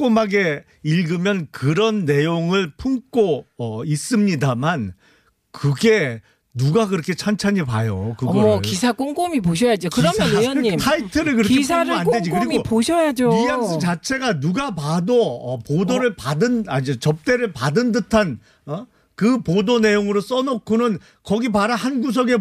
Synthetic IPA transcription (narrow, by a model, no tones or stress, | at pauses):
k͈omaɡe̞ | iɭɡɯmjʌnkɯɾʌnːe̞joŋɯɭpʰuŋk͈oʌis͈ɯmɲidaman | kɯɡe̞ | nuɡakɯɾʌkʰe̞t͡ɕʰant͡ɕʰaɲipajokɯɡʌkisʰak͈oŋkomipoɕ̬ʰʌjad͡ʑokɯɾʌjʌnjʌɲitʰaitʰɯɾɯɭkɯɾʌkesʰaɾanded͡ʑikɯɾimiopoɕʰʌjad͡ʑoijas͈ʰɯt͡ɕat͡ɕʰe̞ɡanuɡapadoʌpodoɾɯɭpadɯnad͡ʑot͡ɕʌp̚t͈e̞ɾɯɭpadɯndɯtʰan | kɯpodone̞joŋɯɾos͈ʌnʌkʰonɯn | kʌɡipaɾahanɡus̬ʰʌɡe̞